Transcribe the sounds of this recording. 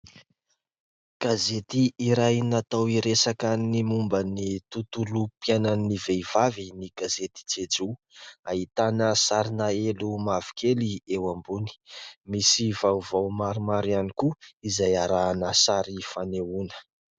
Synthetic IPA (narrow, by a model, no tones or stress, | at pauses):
ɡ̥azet̪iːɾajnat̪awiɾesakənimumbənit̪ut̪ulupiananivevaviniɡ̥azet̪i̥t͡sed͡zu | ait̪anəsaɾinaelumavi̥keliewambuni̥misivawvawmaɾimaɾianikuizajaɾaːnəsaɾifanewunə̥